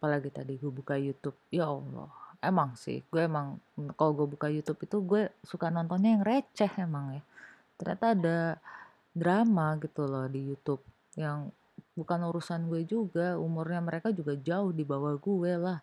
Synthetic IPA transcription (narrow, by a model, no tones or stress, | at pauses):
palaɡit̪adiɡuebukajut̪ʊp̚jaɔlɔ̰hemaŋsɪ̰hɡuɛːmaŋkaloɡuɛbukajut̪ʊpit̪uɡuɛsukanɔnt̪ɔnɲajaŋret͡ʃɛhemaŋja | t̪ərɲa̰t̪aːda | dɾamaɡit̪ulɔhdijut̪ʊp̚ | jaŋ | bukanuɾusanɡuɛd͡ʒuɡaumʊrɲaməɾekad͡ʒuɡad͡ʒaʊhdibawahɡuɛlah